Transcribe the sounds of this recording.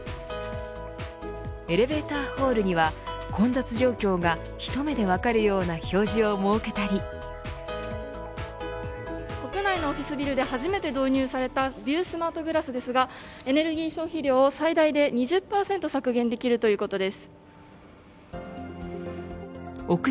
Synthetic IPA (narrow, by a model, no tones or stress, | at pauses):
e̞ɾe̞be̞ːt̪aːho̞ːɾɯ̟ɲ̟iβakʰõ̞nd̪at͡sɨʑo̞ːkʲo̞ːɡa | çi̥t̪o̞me̞d̪e̞βakaɾɯ̟jo̞ːnaço̞ːʑio̞moɯke̞t̪aɾʲi | ko̞kɯ̟naino̞ːɸʲisɨbʲiɾɯ̟d̪e̞haʑime̞t̪e̞d̪o̞ːɲ̟ɨːsaɾe̞t̪abʲɨːsɨmaːt̪o̞ɡɯ̟ɾasɨd̪e̞sɨɡae̞ne̞ɾɯ̟ɡʲiːɕõ̞ɰ̃çiɾʲo̞ːsaid̪aid̪e̞ɲ̟iʑɨpːaːsẽ̞nt̪o̞sakɯ̟ɡẽ̞nd̪e̞kʲiɾɯ̟t̪o̞jɯ̟ːko̞t̪o̞d̪e̞sɨ̥ | o̞kɯ